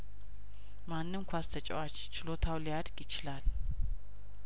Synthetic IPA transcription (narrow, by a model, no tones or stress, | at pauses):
manːɨmkʰʷast̪ʰət͡ʃʼɛ̰wat͡ʃt͡ʃɪlo̞t̪ʰawlijad̪ɡjɪt͡ʃɪlal